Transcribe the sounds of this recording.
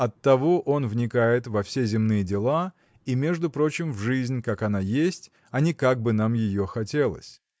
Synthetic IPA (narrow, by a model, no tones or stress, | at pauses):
ɐt̪ːɐvoʔo̞nvnʲɪkajɪt̪vɐfsʲezʲɪmnɨjədʲɪlˠa | imʲe̞ʐd̪ʊpɾo̞t͡ɕɪmvʐɨzʲnʲkakɐnajesʲtʲ | ɐnʲɪkaɡ̚bɨn̪amjɪjoxɐtʲe̞lˠə̰sʲ